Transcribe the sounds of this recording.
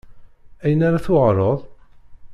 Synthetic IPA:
æjənaɾaθʊʁɾˤoðˤ

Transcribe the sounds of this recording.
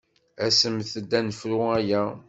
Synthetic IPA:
æsəmθəd̪ːænəfɾʊæjæ

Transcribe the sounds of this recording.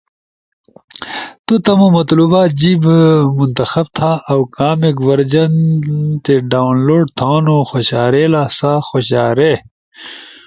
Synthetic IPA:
t̪ut̪ɐmomɐt̪luːbaːd͡ʑiːbmunt̪ɐxɐb̚t̪ʰaːʔːwkaːmeɡʋɐɾd͡ʑɐnt̪eɖaːnloːɖt̪ʰãːnoxoɕaːɾeːlaːsaːxoɕaːɾe

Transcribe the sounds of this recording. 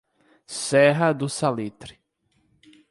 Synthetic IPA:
sɛɦɐd̪ʊsalit̪ɾɪ

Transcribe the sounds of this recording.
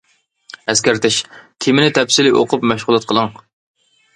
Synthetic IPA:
ɛskʲæɾt̪ʰɪʃk̪ʲʰimɪnɪt̪ʰɛpsɪlɪʔo̰qʰʊpmɛʃʁʊlˠɨt̪̚qʰəlˠɨŋ

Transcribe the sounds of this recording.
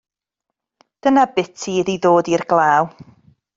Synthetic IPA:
d̥ənabɪtʰiðiðoːdirɡlˠaːw

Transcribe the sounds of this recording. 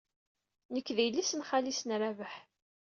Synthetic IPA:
nəkːðijlːisənχalisənɾavəħ

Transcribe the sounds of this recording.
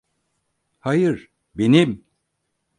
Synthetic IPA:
hajɯɾ | benim

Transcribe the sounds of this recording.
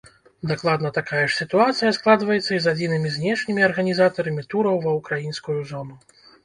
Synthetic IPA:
d̪aklˠad̪nɐt̪akajɐʂsʲit̪uat̪sɨjɐsklˠad̪vɐjɛt̪sːɐizad͡zʲinɨmʲizʲnʲɛʂnʲimʲiɐrɣɐnʲizat̪ɐɾɐmʲit̪uɾɐwvɐwkɾajinskujuzɔnu

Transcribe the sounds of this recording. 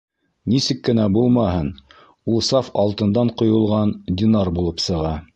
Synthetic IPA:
nisɘkːɘ̆næbulˠmɑɦɤn | ulˠsɑfɑlˠt̪ɤ̆nd̪ɑɴqŏjŏlˠʁɑnd̪ʲɪnɑrbulˠɤpsɤ̆ʁɑ

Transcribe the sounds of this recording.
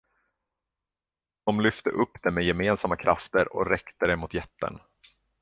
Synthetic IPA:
d̪̥ɔmlʏft̪əʔɵpːd̪̥ɛmɛjɛmeːnsamːakʰɾʔa̰ft̪əɾɔ̰ɾɛkt̪əd̪ɛmʊt̪jɛt̪ːə̰n

